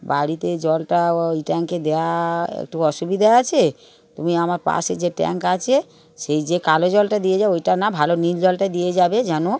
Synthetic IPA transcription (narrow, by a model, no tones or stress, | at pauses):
baɽit̪ed͡ʑɔlʈaojʈɛŋked̪eaḛkʈuɔʃubid̪ʱaat͡ɕʰe | t̪umiamaɾpa̰ʃed͡ʑeʈɛ̰ŋkat͡ɕʰe | ʃejd͡ʑekalod͡ʑɔlʈad̪ijed͡ʑabeojʈanabʱalonild͡ʑɔlʈad̪ijed͡ʑabed͡ʑano